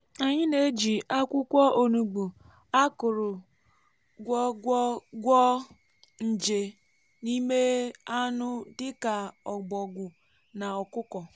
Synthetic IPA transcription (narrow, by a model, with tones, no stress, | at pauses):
a˨ɲɪ˦ne˦d͡ʒi˨a˦kʷʊ˦kʷɔ˦ʔo˨nu˨ɡ͡bu˨ | a˦kʊ˨ɾʊ˨ | ɡʷɔ˦ɡʷɔ˦ɡʷɔ˦ | n̩˨d͡ʒe˨ | ni˦me˦a˦nʊ˦dɪ˦ka˨ɔ˨ɡ͡bɔ˨ɡʷʊ˨ | na˨ɔ˨kʊ˦kɔ˨